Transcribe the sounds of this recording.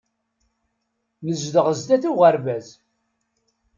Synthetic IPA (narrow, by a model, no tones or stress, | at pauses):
nəzd̪əʁəzd̪æθuʁəɾvæz